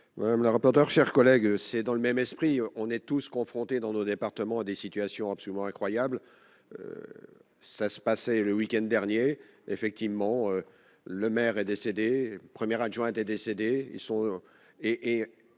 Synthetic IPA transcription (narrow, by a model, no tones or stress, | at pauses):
maɛmləʁapɔʁt̪œʁʃɛʁkɔlɛɡsɛd̪ɑ̃ləmɛmɛspχiɔ̃nɛt̪uskɔ̃fχɔ̃t̪ed̪ɑ̃nod̪epaʁt̪əmɑ̃ad̪esit̪yasjɔ̃apsɔlymɑ̃ɛ̃kχwajabl | ø̰ | sasə̥pasɛləwikʲɛ̃nd̪ːɛʁnje | efɛk̚t̪ivmɑ̃ø | ləmɛʁɛd̪esed̪epχəmjɛʁaʒwɛ̃t̪ɛd̪esed̪eḭlsɔ̃ | eʔː